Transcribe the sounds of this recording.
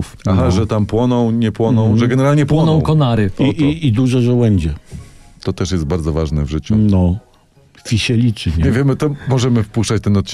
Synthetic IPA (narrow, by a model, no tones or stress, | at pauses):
faɦaʐɛt̪ampwɔnɔ̃w̃ɲɛpwɔnɔ̃w̃ʐɛɡɛnɛɾalɲɛpwɔnɔ̃w̃kɔnaɾɘɔiid̪uʐɔʐɛwɛɲd͡ʑɛt̪ɔt̪ɛʂjɛst̪̚baɾd̪zɔvaʐnɛ̰vʐɘt͡ɕunɔ | fʲiɕɛlʲit͡ʂɘɲɛɲɛvʲjɛmɘt̪ɔmɔʐɛmɘfpuʂt͡ʂat͡ɕt̪ɛnɔt̪̚t͡ɕ